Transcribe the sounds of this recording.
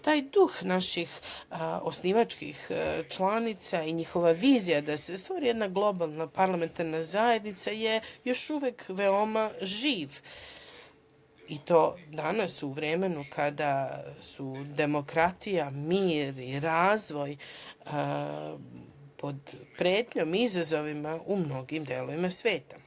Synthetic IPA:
t̪aːjd̪uxnaʃix | o̞sniʋat͡ʃkḭxt͡ʃlˠanit̪saiɲixo̞ʋaʋiːzijad̪ase̞st̪voɾijed̪naɡlˠo̞balˠnapaɾlˠame̞nt̪aɾnazaje̞d̪nit̪saje̞jo̞ʃuʋekʋeo̞maʒiːʋ | it̪o̞ːd̪anasuʋɾe̞menukʰad̪asud̪e̞mo̞kɾat̪ijamiːɾiɾaːzʋo̞j | pʰo̞d̪pɾeːt̪ɲo̞mizazo̞ʋimaʔumno̞ɡimd̪eːlˠo̞ʋimasʋe̞ːt̪a

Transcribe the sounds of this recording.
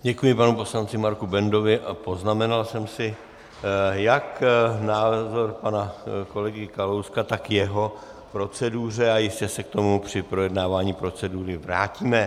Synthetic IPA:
ɟɛkujɪpanupo̞slant͡sɪmaɾkubɛndo̞vɪʔapo̞znamɛnalsɛmsɪ | jaknaːzo̞ɾpanako̞lɛɡɪkalowskat̪akjɛɦo̞ | pɾo̞t͡sɛduːr̝ɛajɪscɛsɛk̚t̪o̞mupr̝̥ɪpɾo̞jɛdnaːvaːɲiːpɾo̞t͡sɛduːɾɪvɾa̰ːciːmɛ

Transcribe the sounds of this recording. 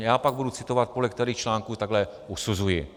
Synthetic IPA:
jaːpaɡ̚budut͡sɪt̪o̞vat̪̚polɛk̚t̪ɛɾiːxt͡ʃlaːŋkuːt̪aɡlɛʔusuzujɪ

